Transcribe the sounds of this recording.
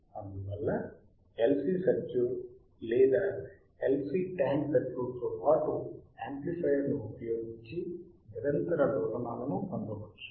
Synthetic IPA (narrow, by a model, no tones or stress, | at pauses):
ɐnd̪uʋɛlːɐ | elsisɐd͡ʒu | liːd̪a | elsiːʈaːnsɐt͡ʃːut̪ɔːpaːʈuaːmplifɐjɐɾnuːpɐjoːɡiɲt͡ʃiniɾɐnt̪ɐɾɐɾɔːɡɐnaːnɐnukɐnd̪ɐbɐt͡ʃːḁ